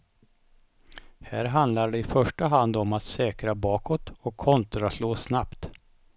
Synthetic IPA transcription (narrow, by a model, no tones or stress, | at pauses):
hæːɾɦand̪laɖɛɪfœʂʈəɦand̪ɔmat̪sɛːkɾabɑːkʰɔt̪ɔkʰːɔnt̪ɾasloːsnapt̪